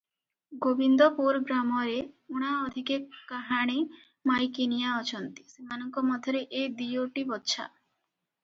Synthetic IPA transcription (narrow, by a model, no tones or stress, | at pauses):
ɡobind̪ɔpuɾɡɾamɔɾeuɽ̃aɔd̪ʱikekaɦaɽ̃i | majkinijaɔt͡ʃʰɔnt̪i̥semanɔŋkɔmɔd̪ʱjɔɾeʔed̪ijoʈibɔtːʃʰa̰